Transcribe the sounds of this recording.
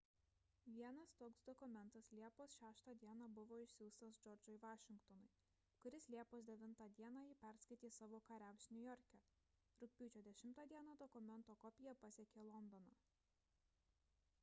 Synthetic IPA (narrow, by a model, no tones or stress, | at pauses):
ʋʲiɛnɐst̪oːksd̪ɔkʊmʲɛnt̪ɐslʲiɛpoːsʃʲæːʃt̪ɑːd̪ʲiɛnɑbʊʋoːɪʃʲsʲuːst̪ɐsd͡ʒɔɾʲd͡ʒɔɪʋɑːʃʲɪŋkt̪ɔnʊɪ | kʊɾʲɪslʲiɛpoːsd̪ʲɛʋʲɪnt̪ɑːd̪ʲiɛnɑːipʲæˑɾskɐɪt̪ʲiːsɑːʋoːkɐɾʲæʊsnʲʊjɔɾʲkʲɛ | ɾʊk̚ʲpʲuːt͡ʃʲoːd̪ʲɛʃʲɪmt̪ɑːd̪ʲiɛnɐd̪ɔkʊmʲɛnˑt̪oːkɔpʲɪjɛpɐsʲɛkʲeːlˠɔnd̪ɔːnɑː